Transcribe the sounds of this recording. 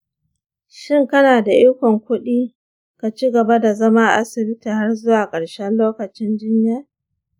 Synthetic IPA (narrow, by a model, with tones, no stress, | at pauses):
ʃɪ˦˨ŋkɐ˦naː˨da˨ʔɪ˦kʷɔ˨ŋkʷʊ˦ɗiː˦ | ka˨t͡ʃi˦ɡɐ˨ba˦da˨zɐ˦ma˦ʔa̰˦sɪ˨bɪ˦tiː˨ha˦rzʊ˦waː˨kʼɐ˨ɽʃɛ˦nloː˦kɐ˨t͡ʃɪ˦nd͡ʒɪ˦ɲja˦